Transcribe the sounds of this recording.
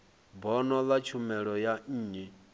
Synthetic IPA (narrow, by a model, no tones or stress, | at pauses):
bɔnɔlat͡ʃʰumɛɺɔjan̩ːɲi